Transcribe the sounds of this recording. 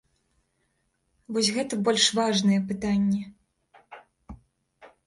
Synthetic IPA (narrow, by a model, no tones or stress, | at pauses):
vɔsʲɣɛt̪ɐbɔlʲʂvaʐnɨjɛpɨt̪anʲːɛ